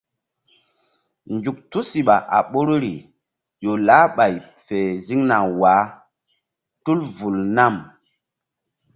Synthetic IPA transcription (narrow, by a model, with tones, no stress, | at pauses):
nd͡ʒu˨k̚tu˦si˨ɓa˨ʔa̰˨ɓo˦ɾo˦ɾi˨ | jo˨la˨˦ɓa˨j | fe˨zi˦ŋna˨waː˨˦ | tu˦lvu˨lna˦˨m